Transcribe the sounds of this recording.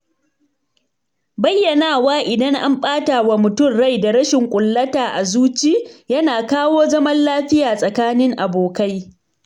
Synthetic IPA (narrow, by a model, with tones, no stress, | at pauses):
bɐ˦jːɐ˨naː˦˨waː˦ʔɪ˨dɐ˦ŋʔa˦mɸʼaː˦taː˨wa˨mʊ˨tʊ˦˨mɽa˦˨jda˨ɾɐ˦ʃɪ˨ŋkʷʼʊ˨lːɐ˦taː˨ʔa˨zuː˦t͡ʃi˦jɐ˦naː˨kaː˦woː˦zɐ˦mɐ˦nlaː˦ɸɪ˦jaː˨sʼɐ˨kaː˦nɪ˦ŋʔa˨boː˨ka˦j